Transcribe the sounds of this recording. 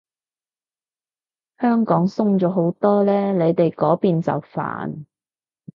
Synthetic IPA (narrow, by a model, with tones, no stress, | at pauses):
hœː˥ŋkɔː˨˥ŋsʊ˥ŋt͡ʃɔː˨˧˥ɦo˨˥wt̪ɔː˥lɛː˥le˨˧jt̪e˨jkɔː˨˥piː˨nt͡sɐ̰˨wfa̰ː˨n